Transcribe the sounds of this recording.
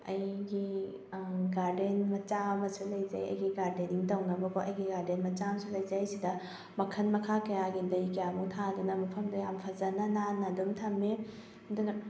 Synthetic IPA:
ɐ̰jɡi | ɡaɾdenmɐt͡ʃamɐsulɐjzɐ̰jɐ̰jɡiɡaɾdeniŋtɐwnɐbɐkoʔɐjɡiɡaɾdenmɐt͡ʃamɐsulɐjzajsidɐ | mɐkʰɐnmɐkʰakɐjaɡindɐjkɐjamuŋtʰadunɐmɐpʰɐmdɐjampʰɐzɐnɐnanːɐdumtʰɐme | dunɐ

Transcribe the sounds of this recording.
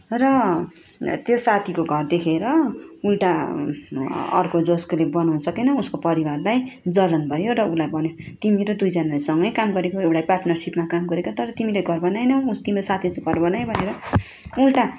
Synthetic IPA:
rʌ | t̪josat̪ʰikoɡʱʌrd̪ekʰeɾʌulʈa | ʌ̰rkod͡zosklebʌnanʌsʌkenʌuskopʌɾibarlajd͡zʌlʌnbʱʌjoɾʌulajbʱʌnjo | t̪imiɾʌd̪ujd͡zʌnalaesʌŋɡʌjkamɡʌɾekoewʈajparʈnʌrsipmakamɡʌɾekot̪ʌɾʌt̪imileɡʱʌrbʌnajnʌust̪imɾosat̪ʰit͡sʌɡʱʌrbʌnajbʱʌneɾʌ | ulʈa

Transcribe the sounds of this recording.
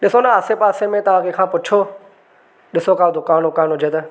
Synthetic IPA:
ɗɪsonaaːsepaːsemẽt̪ɐʋ̤ãkʰekʰãːpʊt͡ʃʰo | ɗɪsokʰaːd̪ʊkaːnɦʊkaːnɦʊd͡ʑet̪e

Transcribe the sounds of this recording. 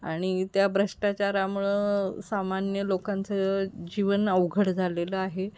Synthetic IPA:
aɽ̃it̪jabɾəʂʈat͡ɕjaɾamuɭesamanjəlokant͡səd͡ʑiʋənəʋɡʱəɽd͡zʱaleləaɦe

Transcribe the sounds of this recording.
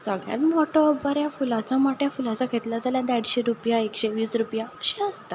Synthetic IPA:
səɡɭjã̰t̪mɔʈʰɔːbaɾjafulãt͡samaʈjafulat͡sakʰet̪lad͡zaljad̪aɽɕeɾupjaekɕeʋiːsɾupjaəɕeəst̪a

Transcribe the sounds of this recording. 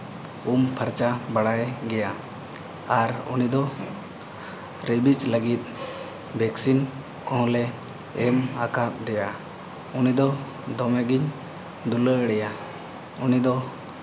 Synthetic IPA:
umpʰəɾt͡ʃabaɽajɡɛja | aɾṵnid̪ɔ | ɾebit͡ʃləɡit̪̚ˀ | bʱɛksin | kɔ̃ɦɔ̃lɛː | makap̚d̪ɛja | unid̪ɔ | d̪ɔmɛɡiɲ | d̪uləəɽɛja | unid̪ɔ

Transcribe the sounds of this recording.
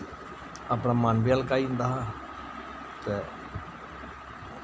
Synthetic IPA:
apɽaːmənbialkaːiːnd̪aːɦãː | t̪ɛː

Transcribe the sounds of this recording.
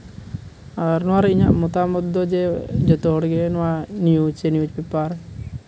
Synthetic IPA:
aɾnɔaɾiɲa̰ʔmɔt̪amɔd̪ːɔd͡ʒed͡ʒɔt̪ɔɦɔɽɡenɔwanijud͡ʒt͡ʃenjud͡ʒpipaɾ

